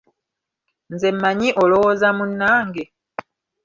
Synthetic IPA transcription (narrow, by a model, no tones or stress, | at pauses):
nzemmːaɲiʔolowozamunːaːŋɡe